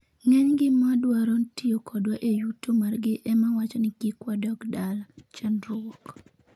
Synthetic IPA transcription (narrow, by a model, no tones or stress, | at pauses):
ŋɛɲɡɪmadwaɾontiokʰɔdwaʔejutomarɡɪʔɛmawat͡ʃɔnɪɡikwadɔkdalt͡ʃɛnɾɔwɔk